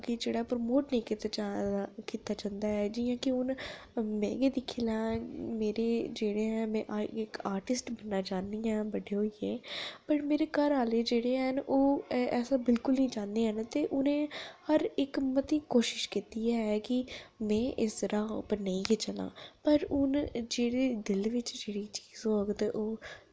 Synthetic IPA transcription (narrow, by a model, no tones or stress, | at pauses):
kɪd͡ʒeːɽaːpɾəmoːʈnĩːkit̪at͡ʃakiːt̪aːt͡ʃənd̪aːɛːd͡ʒiːãːkɪʊnmɛ̰̃ːɡeːd̪ɪkʰiːlaːmeːɾeːd͡ʒeːɽeːɛ̃ːmɛ̃ːʔɪkaːɾʈɪsʈbənːaːt͡ʃaːnd̪iːɛ̃ːbəɖeːɦoːieːpəɾmeːɾeːkəɾaːleːd͡ʒeːɽeːənʔoːɛːsaːbɪlkʊlnĩːd͡ʒãːnd̪eːɦənt̪eːʔʊnẽːhəɾɪkmət̪iːkoːʃɪʃkiːt̪iːɛːɛːkɪmɛ̃ːʔɪsɾaːʊ̰pɾnəĩːket͡ʃəla̰ːpəɾʊnd͡ʒeːɽeːd̪ɪlʋɪt͡ʃd͡ʒeːɽiːt͡ʃiːzõəɡt̪eʔoː